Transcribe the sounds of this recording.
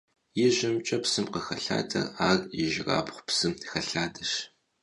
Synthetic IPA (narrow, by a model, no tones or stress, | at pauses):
jɪʑɪmt͡ʃʼɐpsɨmqəxɐɬa̰ːtʰʼɐ̰raːrjɪʒɪra̰ːpχʷpsɨmxɐɬaːdɐʃ